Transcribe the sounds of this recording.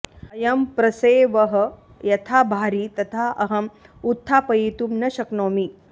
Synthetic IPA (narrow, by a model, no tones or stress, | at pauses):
ɐjɐmpɾɐseːʋɐɦɐ̆ | jɐt̪ʰaːbʱaːɾiːt̪ɐt̪ʰaɐɦɐm | ut̪ʰːaːpɐjiːt̪umnɐʃɐknoːmi